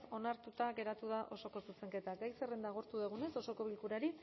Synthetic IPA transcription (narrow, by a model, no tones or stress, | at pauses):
o̞naɾt̪ut̪aɣe̞ɾat̪uð̞aʔo̞so̞ko̞suse̞ŋke̞t̪aɡajserend̪aɣ̞oɾt̪uðeɣ̞une̞so̞so̞ko̞βilkuɾaɾi